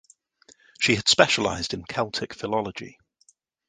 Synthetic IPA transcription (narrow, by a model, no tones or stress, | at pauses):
ʃiəd̥spɛʃəla̰ɪzdɪ̃nkʰɛlˠtʰɪkfɪlɒləd͡ʒɪ̰